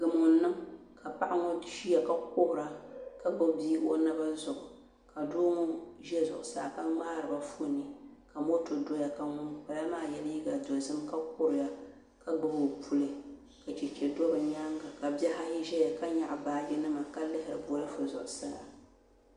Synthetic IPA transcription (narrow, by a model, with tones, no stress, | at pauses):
ɡɨ˨m˨ŋʊ˨˦nːɨ˦mka˨pa˦ʔa˦ŋɔ˦ʃi˦a˨ka˦k̚ʊ˦hʊ˨ɾa˨ka˦ɡ͡bɨ˦biː˦ʔo˦nɨ˦ba˦zʊ˨ʔʊ˨ | ka˨doː˦ŋɔ˦ʒɛ˦zʊ̰˨ʔʊ˨saː˦˨ka˦ŋ͡maː˦ɾɨ˨ba˦fu˦˨nɨ˦ka˨mo˦to˨do˦ja˨ka˦mʊ˦npa˨la˦maː˦˨jɛ˦lji˦ɡa˨do˨zɨ˦mka˦k̚ʊ˦ɾɪ˨ja˦ | ka˦ɡ͡bɨ˦bo˨pʰu˦lɨ˨ | ka˨t͡ʃɛ˨t͡ʃɛ˨do˦bɨ˨ɲa˦ŋɡa˨ka˨bɛ˦ha˦ji˦ʒɛ˦ja˨ka˦ɲa˨ʔbaː˨d͡ʒɛ˦nɨ˦ma˨ka˦lɨ˦hɪ˨ɾɨ˨bo˨lɨ˦fʊ˨zʊ̰˨ʔʊ˨saː˦a˨